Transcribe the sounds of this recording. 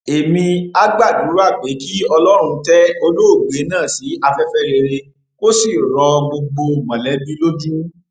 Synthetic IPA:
e˨mĩ˧a˦ɡ͡ba˦˨du˨˦ɾu˦a˦˨ɡ͡be˨˦ki˦ɔ˧lɔ˦ɾ̃ũ˧tɛ˦o˧lo˦o˦˨ɡ͡be˨˦nãː˦˨si˨˦a˧fɛ˦fɛ˦ɾe˧ɾe˧ | ko˦si˦˨ɾɔ˧ɡ͡bo˧ɡ͡bo˧˨mã˨lɛ˨˦bi˦lo˦d͡ʒu˦

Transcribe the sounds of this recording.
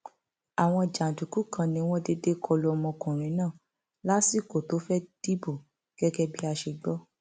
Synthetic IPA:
a˨w̃ɔ̃˧˨d͡ʒa˨n̩˨tu˨ku˨˦kʰã˧nĩ˧w̃ɔ̃˦de˧de˦kʰɔ˧lu˧˦ɔ˧mɔ̃˧kũ˨ɾ̃ĩ˨˦nãː˦˨ | la˦si˦˨ko˨to˨˦fɛ˦d̥i˦bo˦˨ | ɡ̥ɛ˦ɡɛ˦bi˦a˧ʃe˧ɡ͡bɔ˦

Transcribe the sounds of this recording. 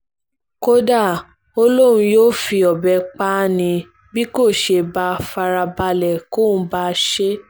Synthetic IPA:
ko˦da˦˨ | o˧˦lo˦ɾ̃ũ˧joː˦fi˧ɔ˨bɛ˧k͡pa˦nĩ˧ | bi˦ko˦˨ʃe˧ba˧˦fa˧ɾa˧ba˧lɛ˨kõ˦˨˦ba˦ʃe˦

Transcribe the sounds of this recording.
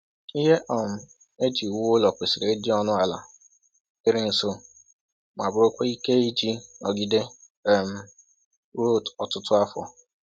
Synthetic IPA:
i˦ɦe˦ʔɔ˨m̩˦ | e˦d͡ʒi˨wʊ˦lɔ˨kʷe˨sɪ˨ɾe˨e˦di˦ɔ˦nʊ˦a˨la̰˨ | ɪ˦ɾɪ˦n̩˨so˦ | ma˨bʊ˦ɾo˦kʷe˦i˦ke˦i˦d͡ʒi˦ɔ˨ɡi˦de˦˨ | m̩˦ | ɾo˦˨tɔ˨tʊ˦tʊ˦a˦fɔ̰˨

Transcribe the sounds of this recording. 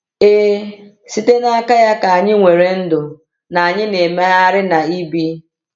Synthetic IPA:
e˦ | si˦te˦na˦a˦ka˦ja˦ka˨a˨ɲɪ˦ŋʷe˨ɾe˨n̩˦dʊ˨ | na˨a˨ɲɪ˦ne˨me˦a˦ɾɪ˦na˨i˦bi˦

